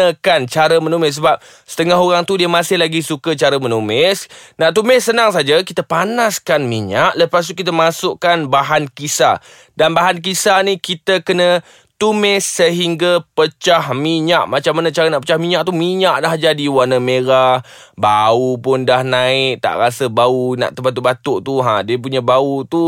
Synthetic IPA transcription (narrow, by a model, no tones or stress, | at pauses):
əkant͡ʃaɾəmənumɪs̬əbap̚ | sə̥t̪əŋaɦoɾaŋt̪udiəmãsɪhlaɡisukət͡ʃaɾəmənumɪsnat̪̬umɪssːənaŋsad͡ʒakit̪əpanaskanmiɲaʔləpas̬t̪uk̬it̪̬əmasʊʔkanbaɦankisa̰ | danbaɦank̬isanikit̪əkənə | t̪umɪsːəɦiŋɡapət͡ʃahmiɲaʔmat͡ʃamːanat͡ʃaɾənaʔpət͡ʃahmiɲãʔt̪umiɲaʔlahd͡ʒadiwanəmeɾah | baupʊndahnaɪʔ̚t̪a̰ʔɾasəbauna̰ʔt̪ubat̪̬uʔbat̪ʊʔt̪uɦãdiəp̬uɲabaut̪u